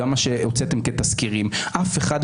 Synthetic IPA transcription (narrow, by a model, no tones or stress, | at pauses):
amaʃeot͡set̪emket̪askiʁimʔafeχad̪